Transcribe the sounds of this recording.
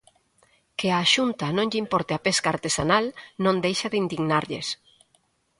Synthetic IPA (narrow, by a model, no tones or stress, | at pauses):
keaːʃunt̪anõŋʎimpɔɾt̪eapeskaːɾt̪esanalnõnd̪ejʃaðeind̪iɣnaɾʎes